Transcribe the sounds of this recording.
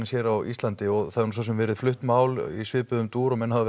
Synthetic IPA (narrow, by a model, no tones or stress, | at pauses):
sjɛːɾawʔḭst̪lant̪ɪɔɣθaðɪɾnus̬as̬ʏmvɛːɾɪð̥flʏht̪maːwlḭsvɪːðpʏðʏmt̪uːɾɔmɛnːhaða